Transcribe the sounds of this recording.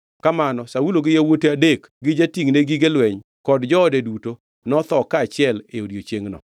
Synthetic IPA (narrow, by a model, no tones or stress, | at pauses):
kamanɔsauloɡɪjawoteadek | ɡɪd͡ʒatiŋneɡiɡelwɛɲ | kɔdd͡ʒɔɔdeduto | nɔt̪ɔkaːt͡ʃɪɛleodjot͡ʃjeŋnɔ̰